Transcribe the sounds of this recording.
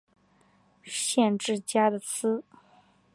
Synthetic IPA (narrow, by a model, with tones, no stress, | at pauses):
ɕjɛ˥˧nʈ͡ʂɻ̩˥˩t͡ɕja˥d̪ə˨t͡sʰɹ̩˥